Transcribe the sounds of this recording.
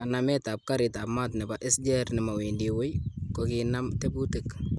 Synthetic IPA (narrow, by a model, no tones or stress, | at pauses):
anamɛtap̚kaɾɪtapmatnɛbaʔɪsd͡ʒɛrnɪmawindiwejkokiːnamtebutɪk